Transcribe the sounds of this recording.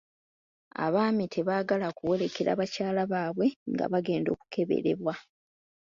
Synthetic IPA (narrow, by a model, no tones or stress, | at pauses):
a̰βaːmitʰe̞βaːɡalakuwe̞le̞keɾa̰ːβacaːlaβaːβwe̞ŋɡa̰βaɡe̞ːndoːku̥kʰe̞βe̞̰ɾe̞̰βwa